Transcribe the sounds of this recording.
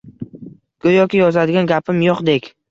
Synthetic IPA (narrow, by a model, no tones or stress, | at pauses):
kʰojɒkʲɪjɒzad̪ɪɡʲanɡʲapʰɪmjoqd̪ekʲ